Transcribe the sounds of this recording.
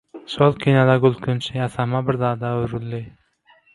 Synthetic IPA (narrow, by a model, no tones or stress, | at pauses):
ʃolˠkʲʰinalaɡʊlˠkʊnt͡ʃʰɪjasamabɪɾd̪ɑːd̪aʊɾʊlːɪ